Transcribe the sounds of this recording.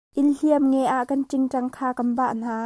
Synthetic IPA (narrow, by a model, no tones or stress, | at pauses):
ʔɪlliəmŋɛʔaʔkɐnʈ͡ʂɪŋʈ͡ʂɐŋkʰaːkɐnbaʔn̥aː